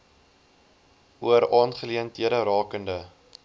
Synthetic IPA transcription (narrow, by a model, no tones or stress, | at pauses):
uəɾɑːnχəliəntɦiəɾəɾɑːkəndə